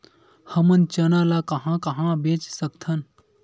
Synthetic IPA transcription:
həmənt͡ʃənalakəɦãkəɦãbet͡ʃsəkt̪ʰən

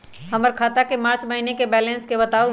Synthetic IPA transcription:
ɦɐməɾkʰaːt̪akemaːɾt͡ʃmɐɦinekebɛːlɛ̃nskebɐt̪aːo

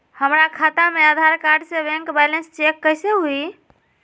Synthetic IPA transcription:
həmɾakʰat̪amead̪ʱaɾkaɾɖsebɛ̃ŋkbɛlenst͡ʃekːəjseɦui

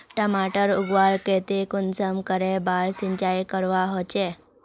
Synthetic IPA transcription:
ʈəmaʈəɾʊɡʋaɾket̪ikʊnsəmkəɾebaɾsiɲt͡ʃajkəɾʋaɦot͡ʃe

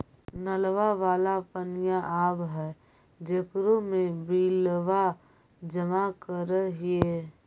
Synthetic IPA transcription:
nəlʋaʋaːlapənɪjaʔaːbɦɛː | d͡ʒekɾomẽbiːlʋa | d͡ʒəmakəɾəɦieː

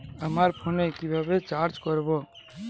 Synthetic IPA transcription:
əmaɾpʰonekibʱabet͡ʃaɾt͡ʃkɔɾbo

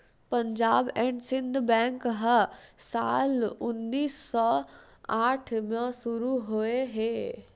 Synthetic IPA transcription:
pɐ̃ɲd͡ʑaːbɛ̃ːɳɖsɪ̃nd̪ʱbɛ̃ːŋkɦəsaːlʊnːiːsːɔː | aːʈʰmãsʊɾuɦoeɦeː

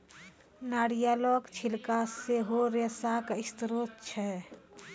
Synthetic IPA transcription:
naːɽijalɔɡt͡ʃʰilkaseɦoɾesakaɪst̪ɾot̪̚t͡ʃʰɛ

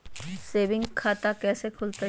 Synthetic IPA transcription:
seːbɪ̃ŋɡkʰaːt̪akɛːsekʰʊlt̪e

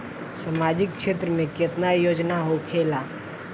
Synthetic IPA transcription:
səmaːd͡ʒɪk̚ʃeːt̪ɾəmẽkɪt̪najoːd͡ʒnaɦokʰeːlaː

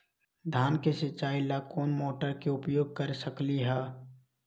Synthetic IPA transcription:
d̪ʱaːnkesɪt͡ʃːaːilakoːnmoːʈəɾkeʊpjoːɡ̚kəɾsəkliɦɛː

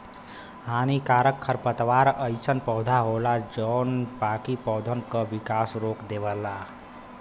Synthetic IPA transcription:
hanikaɾəkʰːəɾpət̪ʋaɾəɪsənpɔɦd̪ʱaɦolad͡ʒɔnbakipɔwd̪ʱənkəbikasɾokd̪ebəlːa

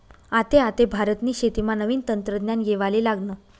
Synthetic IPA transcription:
at̪eat̪ebʱaɾət̪niːɕet̪imanəʋiːnt̪ənt̪ɾəd̪njanjeʋaliːlaɡno

